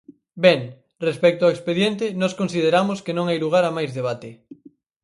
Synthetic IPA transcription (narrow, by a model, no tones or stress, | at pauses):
bɛŋ | respɛk̚t̪oaekspeðjent̪enɔskonsið̞eɾamoskenõŋajluɣ̞aɾamajzðeβ̞at̪e